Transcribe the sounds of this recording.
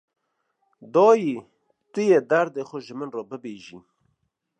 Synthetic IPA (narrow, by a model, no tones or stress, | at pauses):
d̪ɔːji | t̪ɪjed̪aɾd̪exʊʒəmənroːbəbeʒḭ